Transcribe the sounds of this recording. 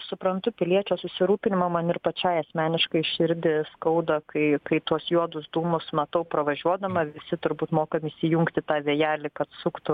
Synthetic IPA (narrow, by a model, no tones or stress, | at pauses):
sʊpɾɐnt̪ʊpʲɪlʲiɛt͡ʃʲoːsʊsʲɪɾuːpʲɪnʲɪmɐmɐnɪrpɐt͡ʃʲɛːɪɐsʲmʲæːnʲɪʃkɐɪʃʲɪɾʲd̪ʲɪskɐʊd̪ɐkʰɐɪkɐɪt̪uɔsjuɔd̪ʊsd̪uːmʊsmɐt̪ɐʊpɾɐʋɐʒʲuɔd̪ɐmɐʋʲɪsʲɪt̪ʊɾbuːt̪moːkɐmʲɪisʲɪjʊŋkt̪ʲɪt̪ɑːʋʲiɛjæːlʲɪkɐt̪sʊkt̪ʊ